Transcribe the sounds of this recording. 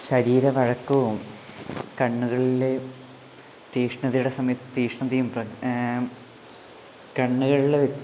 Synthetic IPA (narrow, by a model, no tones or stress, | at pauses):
ɕɐɾiːɾɐʋɐɻɐkːuʋum | kɐɳːuɣɐɭile | t̪iːʂɳɐðijuɽe̞sɐmɐjɐt̪ːɨt̪iːʂɳɐmt̪ijːumprɐ | kɐɳːuɣɐɭuɭeʋi